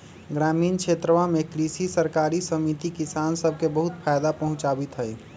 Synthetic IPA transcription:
ɡɾaːmiːnkʃʰeːt̪ɾəʋamẽkɾiːsisəɾkaːɾisəmit̪ikisaːnsəb̚ʱkebəɦʊt̪pʰaːjd̪apɐɦʊ̃t͡ʃaːbit̪ɦɛi

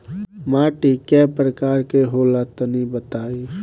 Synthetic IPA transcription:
maːʈikɛpɾəkaːɾkeɦoːlat̪ənibət̪aːi

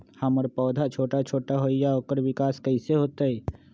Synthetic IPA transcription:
haməɾpɔːd̪ʱat͡ʃʰoːʈat͡ʃʰoːʈaɦoijaoːkəɾʋɪkaːskəɪseɦoːt̪aɛ

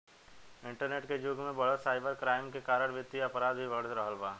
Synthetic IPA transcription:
ɪ̃ɳʈəɾneːʈked͡ʒʊɡmẽbɐɽəsaːɪbəɾkɾaːɪmkekaːɾəɽ̃ʋɪt̪ːiɐpɾaːd̪bʱiʋɐɽt̪ɾəɦəlbaː

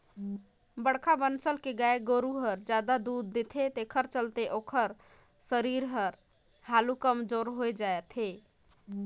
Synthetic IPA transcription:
bəɽkʰabənsəlkeɡaeɡoɾuɦəɾd͡ʒad̪ad̪ud̪̚ːet̪ʰet̪ekʰəɾt͡ʃəlt̪eʔokʰəɾ | səɾiɾɦəɾ | halukəmd͡ʒoɾɦojd͡ʒaet̪ʰe

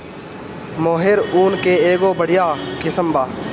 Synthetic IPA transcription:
moːɦɪɾuːnkeːeːɡoːbəɽ̤ɪjaːkɪsəmbaː

